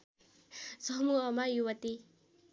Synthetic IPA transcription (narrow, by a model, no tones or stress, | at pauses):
sʌɦmuɦʌmajuwʌt̪i